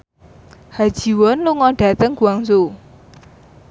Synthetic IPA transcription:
had̥ʒ̥i̤wɔnluŋɔɖ̥ä̤t̪əŋɡ̥uaŋsu

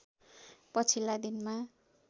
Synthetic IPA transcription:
pʌt͡sʰilːad̪inma

